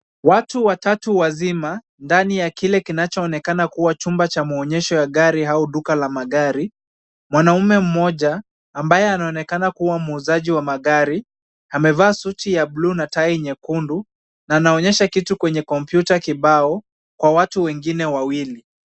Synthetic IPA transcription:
watuwatatuwazima | ndanijakilɛkinat͡ʃɔːnɛkanakuwat͡ʃumbat͡ʃamaɔɲɛʃɔjaɠaɾiɦauɗukalamaɠaɾi | mwanaumɛm̩mɔʄaː | mbajɛanaɔnɛkanakuwamuːzaʄiwamaɠaɾi | amɛvaːsutijabluːnataiɲɛkundu | naːnaɔɲɛʃakitukwɛɲɛkɔmpjutakiɓaɔ | kwawatuwɛŋɡinɛwawili

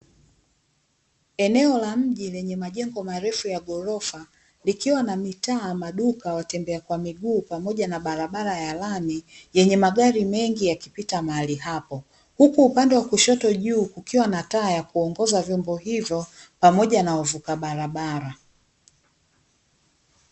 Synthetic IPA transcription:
ɛnɛɔlam̩ʄilɛɲɛmaʄɛŋɡɔmaɾɛfujaɠɔɾɔfa | likiwanamitaːmaɗukawatɛmbɛakwamiɡuːpamɔʄanaɓaɾaɓaɾajalamijɛɲɛmaɠaɾimɛŋɡijakipitamaaliɦapɔ | hukuːpandɛwakuʃɔtɔʄuːkukiwanataːjakuɔŋɡɔzavjɔmbɔɦivjɔpamɔʄanawavukaɓaɾaɓaɾa

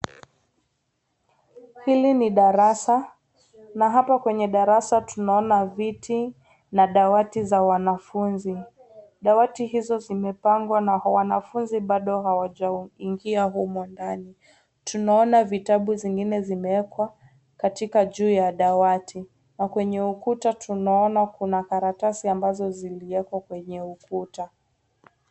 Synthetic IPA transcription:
hiliniɗaɾasa | naɦapakwɛɲɛɗaɾasatunaɔnavitʰi | naɗawatizawanafunzi | ɗawatiɦizɔzimɛpaŋɡwanawanafunziɓaɗɔhawaʄaiŋɡiaɦumɔndani | tunaɔnavitaɓuziŋɡinɛzimɛwɛkwa | katikaʄuːjaɗawatʰi | nakwɛɲɛukutatʰunaɔnakunakaɾatasiambazɔziliwɛkwakwɛɲɛukuta

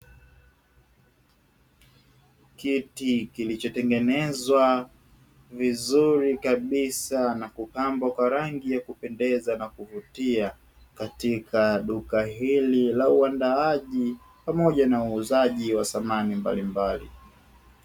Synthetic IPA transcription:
kitikilit͡ʃɔtɛŋɡɛnɛzwa | vizuɾikaɓisanakupambwakwaɾaŋɡijakupɛndɛzanakuvutia | katikʰaɗukaɦililauandaaʄi | pamɔʄanauːzaʄiwasamanimba̰limbalḭ

